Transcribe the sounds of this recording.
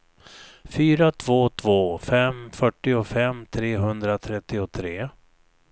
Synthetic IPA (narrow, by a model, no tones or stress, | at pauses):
fyːɾat̪ʰv̥oːt̪ʰvoːfɛmfœʈːɪʊfɛmːt̪ʰɾeːɦɵnd̪ɾat̪ʰɾɛt̪ːɪʊt̪ʰɾeː